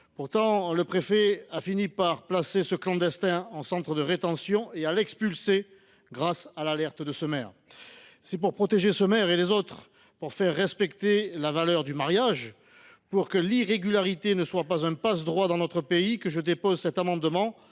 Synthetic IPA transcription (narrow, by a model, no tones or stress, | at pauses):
puʁt̪ɑ̃ləpχefɛafinipaʁplasesəklɑ̃d̪ɛst̪ɛ̃ɑ̃sɑ̃t̪χəd̪əʁet̪ɑ̃sjɔ̃ealɛkspylse | ɡʁasalalɛʁt̪d̪əsəmɛʁ | sɛpuʁpχɔt̪eʒesəmɛʁelezot̪χ | puʁfɛʁːɛspɛkt̪elavalœʁd̪ymaʁjaʒ | puʁkəliʁeɡʲylaʁit̪enəswapazɛ̃pasd̪ʁwad̪ɑ̃nɔt̪χəpeikəʒəd̪epɔzsɛt̪amɑ̃d̪mɑ̃